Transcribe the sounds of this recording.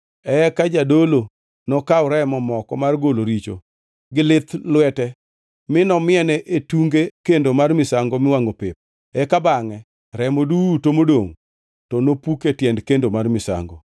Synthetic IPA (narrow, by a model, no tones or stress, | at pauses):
ɛkad͡ʒadolo | nɔkawɾɛmɔmɔkɔmarɡoloɾit͡ʃo̰ | ɡɪlɪt̪lwɛtɛ | mɪnɔmɪɛnɛʔetuŋɡekendomarmɪsaŋɡomɪwaŋopɪp̚ | ɛkabaŋɛ | ɾɛmodutomodoŋ | tɔnopuketjɛndkendomarmɪsa̰ŋɡo̰